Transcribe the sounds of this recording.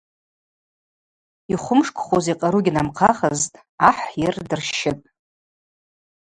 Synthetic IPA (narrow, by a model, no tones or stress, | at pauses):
iχʷʊmʂkʷʰʼχʷoziqʼaɾuɡʲɪnamqʰaχəztʼ | aħʷjɪrdɨrʃɪtʼ